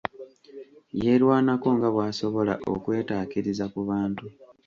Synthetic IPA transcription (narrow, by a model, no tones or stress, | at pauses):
je̞ɾwaːnako̞ŋɡaβwaːso̞βo̞laʔo̞̰kwe̞ːtaːkiɾizakuβaːntu